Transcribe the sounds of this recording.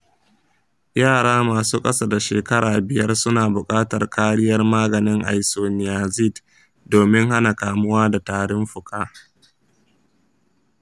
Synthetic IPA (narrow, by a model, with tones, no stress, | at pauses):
jaː˦˨ɽaː˦maː˨suː˦kʼɐ˦sa˦da˨ʃḛː˨kɐ˦ɽaː˨bɪ˨jɐ˦rsʊ˦naː˨bʊ˨kʼaː˦tɐ˨rkʰaː˦ɽɪ˦jɐ˦rmaː˦ɡɐ˨nɪ˦ŋʔa̰˨jsoː˨nɪ˨jaː˨zi˦˨d | doː˨mɪ˦ŋha˦na˨kaː˨mʊ˦waː˦da˨taː˨ɽʊ˦mɸʊ˨kʰʼaː˦